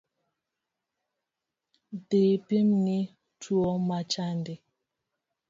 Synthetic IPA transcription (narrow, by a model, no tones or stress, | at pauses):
depemni | tuɔmat͡ʃandi